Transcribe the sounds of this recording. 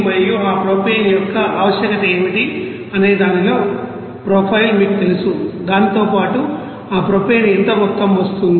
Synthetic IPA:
mɐjːuaːpɾoːpeːnjɔkːɐʔaːʋɐʃjɐkɐt̪ɐeːmiʈi | ɐne̞ːd̪aːnilo̞ː | pɾoːpʰɐjlmiːkut̪elusud̪aːnit̪o̞ːpaːʈu | aːpɾoːpeːnent̪ɐmɔt̪ːɐmʋɐst̪und̪ii

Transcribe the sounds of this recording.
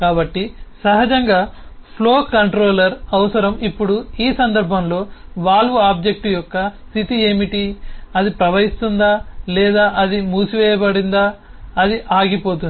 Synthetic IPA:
kaːbɐʈːisɐɦɐd͡ʒɐŋɡaːpʰlo̞ːkɐɳʈɾo̞ːlɐɾɐʋɐsɐɾɐmipːuɽuiːsɐnd̪ɐɾbʱɐmlo̞ːʋaːluaːb̚d͡ʒe̞k̚ʈijɔkːɐsit̪ieːmiʈiɐd̪ipɾɐʋɐɦist̪und̪aːlɛːd̪aːʔɐd̪imuːsuʋɛːjɐbɐɽind̪aːɐd̪iʔaːɡipo̞ːt̪̬und̪i

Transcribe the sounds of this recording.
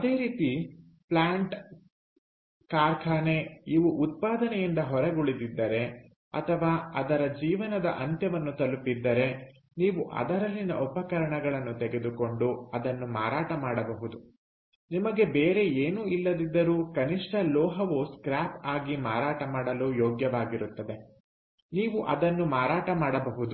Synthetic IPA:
ɐd̪e̞ːɾiːt̪i | plaːɳʈ | kaːɾkʰaːne̞iʋuʔut̪̚paːd̪ɐnɛjind̪ɐɦɔɾɐɡoɭid̪id̪ːɐɾe̞ | ɐ̰t̪ʰɐʋaːɐd̪ɐɾɐd͡ʒiːʋɐnɐd̪ɐʔɐnt̪jɐʋɐnːut̪ɐlupːid̪ːɐɾe̞ | niːʋuʔɐ̰d̪ɐɾɐlːinɐ̰ʔɔpɐkɐɾɐɳɐɡɐɭɐnːut̪eɡe̞d̪uko̞ɳɖuɐd̪ɐnːumaːɾaːʈɐmaːɽɐbɐɦud̪u | nimɐɡe̞beːɾe̞eːnuːilːɐd̪id̪ːɐɾuːkɐniʂʈɐlɔːɦɐʋuskɾaːpaːɡimaːɾaːʈɐmaːɽɐluːjoːɡjɐʋaːɡiɾut̪ːɐd̪e̞ | niːʋuʔɐd̪ɐnːumaːɾaːʈɐmaːɽɐbɐɦud̪u

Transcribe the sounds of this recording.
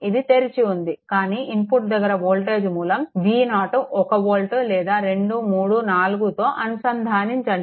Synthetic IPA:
id̪it̪e̞ɾit͡ʃiund̪ikaːniːʔimpuʈ̚d̪ɐɡːɐɾɐʋoːlʈe̞ːd͡ʒmuːlɐmʋiːnaːʈuʔɔkɐʋoːlʈulɛːd̪aːɾe̞ɳɖumuːɽunaːluɡut̪o̞ːʔɐnusɐnd̪ʱaːniɲt͡ʃɐɳɖi

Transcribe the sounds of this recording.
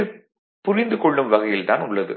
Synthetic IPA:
ɯ | pʊɾɪnd̪ɯkɔɭːɯmʋɐɣɐjɪlt̪a̰ːnʊɭːɐðɯ̰

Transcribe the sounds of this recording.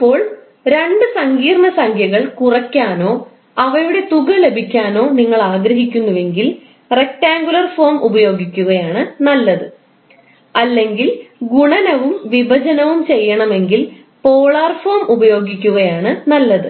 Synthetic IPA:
ipːo̞ːɭ | ɾe̞ɳɖɨsɐŋɡiːrɳɐsɐŋkʰjɐɣɐɭkurɐkʲːaːno̞ː | ɐʋɐɾuɽe̞t̪uɣɐle̞bʱikʲːaːno̞ːniŋːɐɭaːɡɾɐɦikʲːunːɐʋe̞ŋɡil | re̞k̚ʈaːŋɡulɐrfo̞ːmubɐjo̞ːɡikʲːuɣɐjaːɳɨnɐlːɐðɨ | ɐlːe̞ŋɡilɡuɳɐnɐʋumʋibʱɐd͡ʑɐnɐʋumt͡ɕe̞jːɐɳɐme̞ŋɡil | po̞ːɭaːrfoːmubɐjo̞ːɡikʲːuɣɐjaːɳɨnɐlːɐðɨ

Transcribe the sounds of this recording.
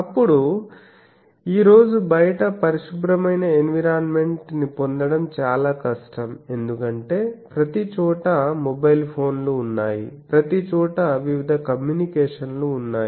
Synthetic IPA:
ɐpːuɽu | iːɾo̞ːd͡ʒubɐjɐʈɐpɐɾiʂubɾɐmɐjnɐenʋiɾaːnme̞ɳʈnipo̞nd̪ɐɽɐmt͡ʃaːlaːkɐʂʈɐme̞nd̪ukɐɳʈe̞ːpɾɐt̪it͡ʃɔːʈɐmobɐjlpʰo̞ːnluːnːaːjḭpɾɐt̪it͡ʃɔːʈɐʋiʋid̪ʱɐkɐmjuːnikɛːʂɐnluːnːaːji

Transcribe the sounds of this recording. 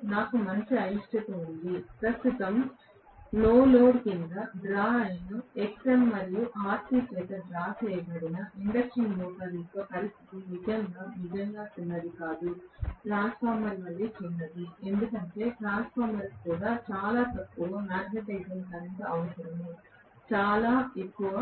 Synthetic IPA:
naːkumɐɲt͡ʃiɐjʂʈɐt̪uund̪ipɾɐst̪ut̪ɐm | loːloːɖkind̪ɐbɾaːɐjnɐeksʈɐnmɐɾijuʔaːɾt̪iːt͡ʃɛːt̪ɐd͡ʒɾaːkʰɛjɡɐɽinɐʔiɳɖɐsʈinluːʈɐlikːɐpɐɾist̪ʰi̥t̪inid͡ʒɐŋɡaːnid͡ʒɐŋɡaːt͡ʃunːɐd̪ikaːd̪uʈɾaːnspʰaːɾmɐɾʋɐlːit͡ʃinːɐd̪ie̞nd̪ukɐɳʈe̞ːʈɾaːnspʰaːɾmɐɾskuːɽaːt͡ʃaːlaːt̪ɐpːuɡoːnaːɾɡɐʈɐɡd͡ʒɐnsɐɾɐnt̪ɐɐʋɐsɐɾɐmu | t͡ʃaːlaːe̞kːuʋɐ

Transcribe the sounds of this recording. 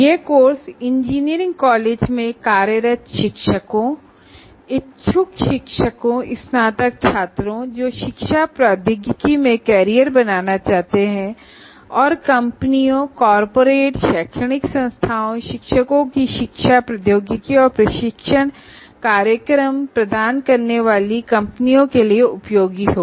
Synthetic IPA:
jeːkoːɾsɪ̃ɲd͡ʒiːnijəɾɪ̃ŋɡkɔːleːd͡ʒmẽkaːɾjəɾət̪ʃɪkʃəkõ | ɪtːʃʰʊkʃɪkʃəkõɪsnaːt̪ək̚t͡ʃʰaːt̪ɾõd͡ʒoːʃɪkʃapɾaːd̪ɪɡjəkimẽkɛːɾijəɾbɐnaːnat͡ʃaːɦt̪eɦɛ̃ | ɔːɾkɐ̃mpənijõkɔːɾpoːɾeːʈʃɛːkʰʃəɽɪksɐ̃nst̪ʰaːõʃɪkʃəkõkiʃɪkʃapɾɐd̪joːɡjəkiɔːɾpɾɐʃɪkʃəɽ̃ | kaːɾjəkɾəmpɾɐd̪aːnkɐɾneʋaːlikɐ̃mpnijõkelieʊpjoːɡiɦoː

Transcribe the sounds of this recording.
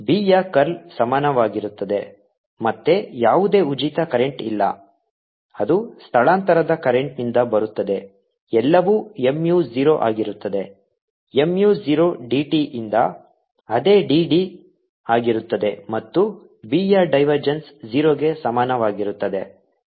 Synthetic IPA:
biːjaːkɐɾlsɐmaːnɐʋaːɡiɾut̪ːɐd̪e̞ | mɐt̪ːe̞jaːʋud̪e̞ːud͡ʒit̪ɐkɐɾe̞ɳʈḭlːɐ̰ | ɐd̪ust̪ʰɐɭaːnt̪ɐɾɐd̪ɐkɐɾeɳʈ̚nind̪ɐbɐɾut̪ːɐd̪e̞ | ɛlːɐʋuːe̞mjuːd͡ʒiːɾoʔa̰ːɡiɾut̪ːɐd̪e̞ | emjuːd͡ʒiɾoːɖiːʈiʔind̪ɐ | ɐd̪e̞ːɖiːɖi | aːɡiɾut̪ːɐd̪e̞mɐt̪ːu | biːjaːɖɐjʋɐɾd͡ʒensd͡ʒiːɾoːɡe̞sɐmaːnɐʋaːɡiɾut̪ːɐd̪e̞̰

